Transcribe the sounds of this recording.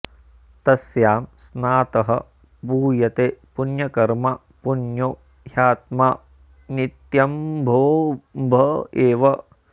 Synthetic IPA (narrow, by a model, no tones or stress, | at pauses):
t̪ɐsjaːmsnaːt̪ɐɦɐ̰ | buːjɐt̪eːpunjɐkɐɾmɐ | punjoː | jaːt̪̚maː | nit̪jɐmbʱoːbʱɐeːʋɐ